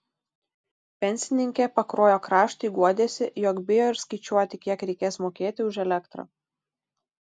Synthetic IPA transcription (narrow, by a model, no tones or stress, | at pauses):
pʲɛnʲsʲɪnʲɪŋʲkʲepɐkɾoːjoːkɾɑːʃt̪ɐiɡuɔd̪ʲeːsʲɪjɔkbʲɪjoɪɾskɐɪt͡ʃʲuɔt̪ʲɪkʲiɛkɾʲɛɪkʲeːsmoːkʲeːt̪ʲɪʊʒɛlʲɛkt̪ɾo̰ː